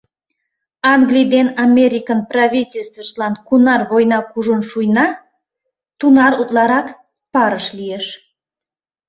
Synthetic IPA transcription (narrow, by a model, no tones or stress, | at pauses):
ɑŋɡlʲijd̪enɑmʲeɾʲikənprɑβʲitʲelʲst̪vəʃlɑnkunɑrβojnɑkuʒonʃujnɑ | t̪unɑɾut̪lɑɾɑk | pɑɾəʃlijeʃ